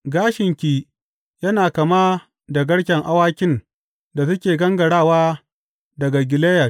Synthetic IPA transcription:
ɡaː˦ʃɪ˨ŋkʲiː˨ | jɐ˦naː˨kɐ˨maː˦ | da˨ɡɐ˦ɽkʲɛ˨ŋʔa˦waː˦kʲɪ˦n | da˨sʊ˦kʲeː˨ɡɐ˦ŋɡɐ˨ɽaː˦˨waː˦ | dɐ˨ɡa˨ɡʲɪ˨leː˦ja˨

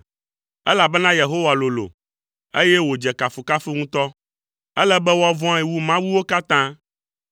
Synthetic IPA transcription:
ɛ˦la˨bɛ˦nã˦je˨ɦo˦wa˨lo˨lo̰˨ | e˦jɛ˦wo˨d͡ʒɛ˨ka˨fu˨ka˦fi˦ŋũ˦t̪ɔ˦ | ɛ˦lɛ˦bɛ˦wa˦vɔ̃˦i˨wu˦mã˦wu˦wo˦ka˦t̪ã˦

